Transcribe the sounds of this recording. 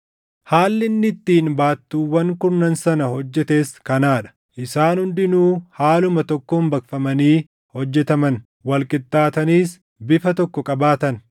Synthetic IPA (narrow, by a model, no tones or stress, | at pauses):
haːlːɪnːɪt̪ːiːnbaːt̪ːuːwːɐŋkʊɾnɐnsɐnɐhɔd͡ʒːɛt̪e̞ːskɐnaːᶑɐ̥ | ʔɪsaːnhʊnd̪ɪnuːhaːlʊmɐt̪ɔkːoːmbɐkfɐmɐniː | hɔd͡ʒːɛt̪ɐmɐn | wɐlkʼɪt̪ːaːt̪ɐniːs | bɪfɐt̪ɔkːɔkʼɐbaːt̪ɐn